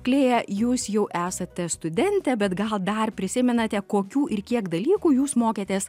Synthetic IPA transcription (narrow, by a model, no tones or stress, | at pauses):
klʲeːjɛjuːsjɛʊʔæːsɐt̪ʲɛst̪ʊd̪ʲɛnʲt̪ʲɛbʲɛt̪ɡɐlˠd̪ɐrpʲɾʲɪsʲɪmʲɛnɐt̪ʲɛkoːkʲuːʔɪɾkʲiɛkd̪ɐlʲiːkuːjuːsmoːkʲeːt̪ʲeːs